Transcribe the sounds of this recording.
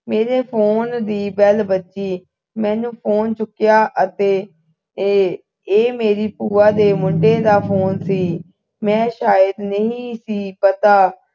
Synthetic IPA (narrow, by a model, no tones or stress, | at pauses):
meːɾeːpʰoːnd̪iːbɛːlbətːʃiː | mɛ̃ːnũːpʰoːnt͡ʃʊkːɪjaːʔət̪eː | eːmeːɾiːpuːaːd̪eːmʊɳɖeːd̪aːpʰoːnsiː | mɛ̃ːʃaːjəd̪nəĩĩːsiːpət̪aː